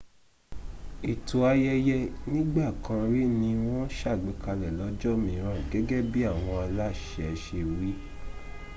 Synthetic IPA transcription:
i˨tu˨a˧jɛ˧jɛ˧nĩ˦ɡ͡ba˦˨kã˧ɾi˦nĩ˧w̃ɔ̃˦ʃa˦˨ɡ͡be˨˦ka˧lɛ˨lɔ˨˦d͡ʒɔ˦˨mĩ˨ɾ̃ã˨ɡɛ˨˦ɡɛ˦bi˦a˦˨w̃ɔ̃˧a˧la˦˨ʃɛ˧ʃe˧˨ɾi˦

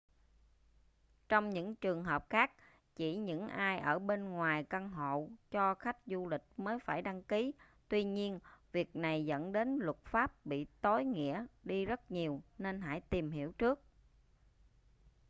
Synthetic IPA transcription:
t͡ɕɔ˧wŋ͡mɲɨ̰˧˥ŋt͡ɕɨ˨˩əŋɦəː˨˩p̚xaː˦˥k̚ | t͡ɕi˧˩ɲɨ̰˧˥ŋʔaː˧jʔəː˧˩ɓe˧nŋwaː˨˩jka˧ŋɦo̰˧˨t͡ɕɔ˧xa˦˥jk̟̚zu˧lï˨˩k̟̚məː˨˦jfaː˧˩jɗa˧ŋki˨˦ | t̪wi˧ɲi˧ənvi˨˩ək̚na˨˩jzə̰˧˥nɗe˨˦nlʊ˨˩t̚faː˦˥p̚ɓḭ˧˨t̪o˨˦jŋḭ˧˥əɗi˧zə˦˥t̚ɲi˨˩əwne˧nɦa̰ː˧˩jt̪i˨˩mɦḭ˧˩əwt͡ɕɨ˦˥ək̚

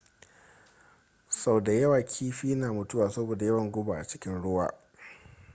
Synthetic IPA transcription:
sa˦˨wda˨jɐ˦waː˨kʲʰiː˦ɸiː˦naː˨mʊ˦tʊ˦waː˨sɐ˦boː˨da˨jɐ˦wɐ˨ŋɡʷʊ˦baː˨ʔa˨t͡ʃɪ̥˦kʲɪ˦nɽʊ˦wa̰ː˨

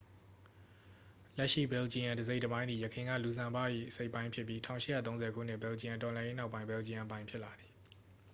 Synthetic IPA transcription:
lɛ˦ʔʃḭ˦˨bɛ˨lt͡ɕi˨jã˨ndəze˦ɪtəbã˦ɪ̃nd̪ði˨jə˨kʰɪ̃˨ŋɡä̰˦˨lu˨zã˨mba̰˦˨jḭ˦˨ʔəse˦ɪpːã˦ɪ̃pʰjɪ˦pːji˦tʰã̰˦˨ʊ̃ʃɪ˦˨jä̰˦˨t̪õ˦zɛ˨ɡʰṵ˦˨n̥ɪ˦˨bɛ˨lt͡ɕĩ˨ã˨ntɔ˨lã˨je˦na˦ʊpːã˦ɪ̃bɛ˨lt͡ɕi˨jã˨pã˦ɪ̃pʰjɪ˦ʔla˨d̪ði̥˨

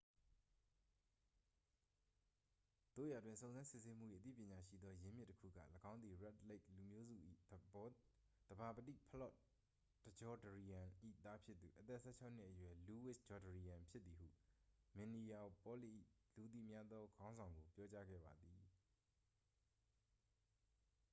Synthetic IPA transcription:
d̪̥o̰˦˨ja˨dwɪ̃˨sõ˨ʊ̃nzã˦nsɪ˦˨se˦m̥u˦˨ḭ˦˨ʔət̪̬ḭ˦˨pjɪ̃˨ɲa˨ʃḭ˦˨d̪ðɔ˦jɪ̃˦mjɪ˦tːəkʰṵ˦˨ɡä̰˦˨ləɡã˦ʊnd̪i˨ɹɛ˦tle˦ɪklu˨mjo˦zṵ˦˨ʔḭ˦˨˦ | d̪̥əba˨pətḭ˦˨pʰə˦lɔ˦˨ʔ | d̥ə˨d͡ʑɔ˦dəɹi˨jã˨ʔḭ˦˨t̪a˦pʰjɪ˦t̪ːu˨ʔət̪ɛ˦ʔsʰɛ̰˦˨t͡ɕʰa˦ʊn̥ɪ˦ʔəjwɛ˨lu˨wɪ˦sd͡ʑɔ˨də˨ɹi˨jã˨mpʰjɪ˦t̪ːi˨ɦṵ˦˨mɛ̃˨ni˨ja˨pɔ˦lḭ˦˨ʔi˦˨lu˨t̪̬ḭ˦˨mja˦d̪ɔ˦ɡã˦ʊ̃nzã˨ʊŋɡo˨pjɔ˦t͡ɕa˦ɡɛ̰˦˨ba˨d̪ði˨

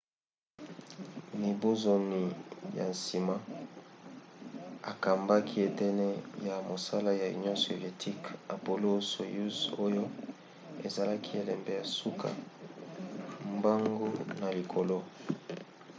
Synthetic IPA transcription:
mi˨bo˦zo˨ni˨ja̰˨nsi˨ma˦ | a˨ka˨mba˦kʰi˦e˨tɛ˦nɛ˦ja˨mo˨sa˦la˦ja˨ṵ˨njõ˦so˨ve˨tʰi˦ka˨po˨lo˦so˨ju˦so˦jo˦ | e˨za˨la˦kʰi˦e˨lɛ˨mbe˨ja˨su˦kʰa̰˨ | mba˦ŋɡo˦na˨li˨kʰo˨lo˦

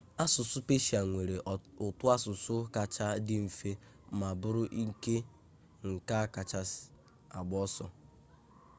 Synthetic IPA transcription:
a˦sʊ˨sʊ˦pe˦ʃi˨a˨ŋʷe˨ɾe˨ʊ˨tʊ˦a˦sʊ˨sʊ˦ka˨t͡ʃa˦dɪ˦m̩˨fe˦ | ma˨bʊ˦ɾʊ˦ʔi˦ke˦ | ŋ̩˨ka˦a˦ka˨t͡ʃa˦s | a˨ɡ͡bɔ˦sɔ˦

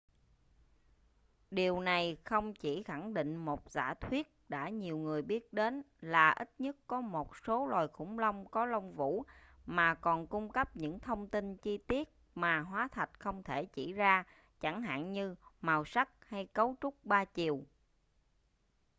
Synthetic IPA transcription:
ɗi˨˩əwna˨˩jxə˧wŋ͡mt͡ɕi˧˩xa˧˩ŋɗḭ˧˨ŋ̟mo˨˩t̚za̰ː˧˩t̪ʰwi˦˥ət̚ɗa̰ː˧˥ɲi˨˩əwŋɨ˨˩əjɓi˦˥ət̚ɗe˨˦n | laː˨˩ʔi˦˥t̚ɲə˦˥t̚kɔ˨˦mo˨˩t̚so˨˦lwaː˨˩jxʊ̰˧˥ŋ͡mlə˧wŋ͡mkɔ˨˦lə˧wŋ͡mvṵ˧˥maː˨˩kɔ˨˩nkʊ˧ŋ͡mkə˦˥p̚ɲɨ̰˧˥ŋt̪ʰə˧wŋ͡mt̪i˧nt͡ɕi˧t̪i˦˥ət̚maː˨˩ɦwaː˨˦t̪ʰə˨˩t̚xə˧wŋ͡mt̪ʰe˧˩t͡ɕi˧˩zaː˧ | t͡ɕa˧˩ŋɦa̰ː˧˨nɲɨ˧maː˨˩wsa˦˥k̚ha˧jkə˨˦wt͡ɕʊ˦˥k͡p̚ɓaː˧t͡ɕi˨˩əw

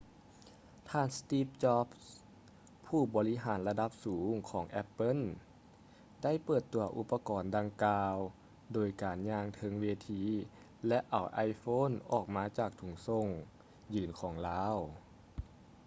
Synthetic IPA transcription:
t̪ʰaː˧˥˨nst̪iː˧˥˩p̚t͡ɕɔ˦˥p̚ | pʰːuː˥˩bɔː˨˦li˦˥ɦaː˩˦nla˧da˧˥p̚suː˩˦ŋkʰɔː˩˦ŋʔɛ˦˧pːɤ˧˥˨n | da˥˩˨jpɤː˨˩t̪ːu˨˩˦ɐʔu˧˥pːa˧kɔː˨˩nda˧ŋkaː˧w | doː˨˩jkaː˨˩nɲaː˧ŋt̪ʰɤ˧ŋweː˧t̪ʰiː˧˥ | lɛ˧˦˥ʔa˨˩wʔa˧˥jfoː˧˥˨nʔɔː˨˩k̚maː˧˥t͡ɕaː˧˩k̚t̪ʰu˨˩ŋso˧˩ŋ | jɯː˨˩nkʰɔː˩˦ŋlaː˦˥w

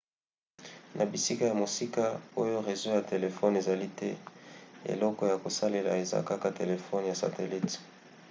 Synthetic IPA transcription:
nʔa˨bi˨si˦ka˦ja˨mo˨si˦ka˦o˦jo˦ʁe˨zo˦ja˨te˨le˨fɔ˦ne˨za˨li˦tɛ˦ | ḛ˨lɔ˦kɔ˦ja˨ko˨sa˦le˨la̰˨e˨za̰˦ka˦ka˨te˨le˨fɔ˦n˨ja˨sa̰˨te˨li˦t

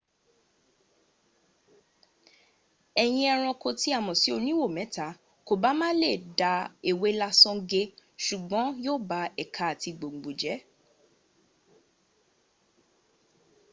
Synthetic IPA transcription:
ɛ˨j̃ĩ˧ɛ˧ɾ̃ɔ̃˧ko˧ti˦a˦˨mɔ̃˨si˨˦o˧nĩ˦wo˦˨mɛ̃˨˦ta˨˦ | ko˨ba˨˦mãː˦le˦˨da˧e˨we˨˦la˧sɔ̃˧ɡe˧ʃu˨ɡ͡bɔ̃˨˦joː˦˨ba˨˧ɛ˨kʰa˧˦˨ti˧ɡ͡bo˨ŋ͡m̩˨ɡ͡bo˨d͡ʒɛ˨˦

